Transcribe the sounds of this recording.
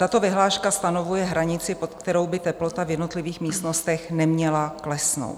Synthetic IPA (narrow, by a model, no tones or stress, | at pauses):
t̪at̪o̞vɪɦlaːʃkast̪ano̞vujɛɦɾaɲɪt͡sɪpot̪kt̪ɛɾo̞wbɪt̪ɛplo̞t̪avjɛdno̞t̪lɪviːxmiːst̪no̞st̪ɛxnɛmɲɛlaklɛsno̰wt̪